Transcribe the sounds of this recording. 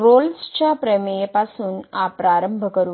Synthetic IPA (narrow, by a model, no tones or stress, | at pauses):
ɾolst͡ɕapɾəmeepasũːnapɾaɾəmbʱəkəɾu